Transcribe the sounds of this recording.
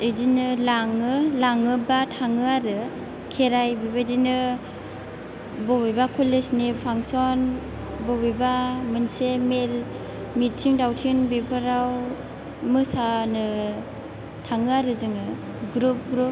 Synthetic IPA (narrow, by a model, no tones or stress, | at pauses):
ɯdinɯlaŋɯlaŋɯbatʰaŋɯaɾɯ | kʰeɾajbibadinɯ | bobijbakʰolesnipʰaŋsɔn | bobibamɯnsemel | mitʰːiŋdawtʰinbipʰɯɾaw | mɯsanɯ | tʰaŋɯaɾɯzɯŋɯ | ɡɾup̚ɡɾup